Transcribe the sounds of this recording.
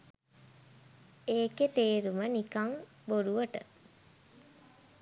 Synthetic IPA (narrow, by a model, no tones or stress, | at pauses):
eːket̪eːɾumənikaŋ | boɾuʋəʈə̰